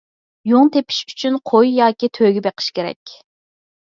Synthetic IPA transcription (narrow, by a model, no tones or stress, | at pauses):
joŋt̪ʰepʰi̥ʃy̥t͡ʃʰynqʰojjɑːkʲit̪ʰøɡʲɪbeqʰɨ̥ʃkʲeɾɛ̰kʲ